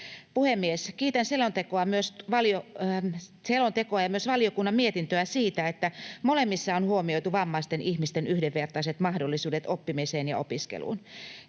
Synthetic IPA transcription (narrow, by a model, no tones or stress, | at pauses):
puhemːieskiːt̪ænselont̪ekoɑmyøsʋɑlio | selont̪ekoɑjɑmyøsʋɑliokunːɑmmiet̪int̪øæsiːt̪æet̪ːæmolemːisːɑonhuomioit̪uʋɑmːɑst̪enʔiçmist̪enyhdeʋːert̪ɑiset̪mɑhdolːisuːdet̪opːimiseːnjɑ̰opiskḛlṵːn